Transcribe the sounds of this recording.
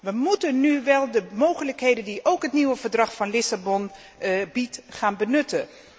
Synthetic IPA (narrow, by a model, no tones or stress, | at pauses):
ʋəmutənːyʋɛlˠdəmowχələkɦejdəndiʔowkɦətniʋəvəɹdrɑχfɑnlɪsabɔn | bitχaːnbənɵtən